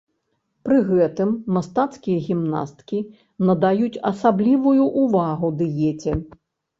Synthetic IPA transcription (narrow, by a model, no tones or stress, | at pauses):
pɾɨɣɛt̪ɨmːast̪at̪skʲijɐɣʲimna̰st̪kʲi | nɐd̪ajut͡sʲɐsablʲivujuʔːvaɣud̪ɨjɛt͡sʲɛ